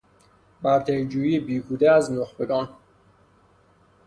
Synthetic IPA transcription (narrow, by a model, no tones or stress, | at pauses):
bæɾt̪ʰejd͡ʒuːjiːbiːɡʰuːd̪eæznoxbeɡɒːn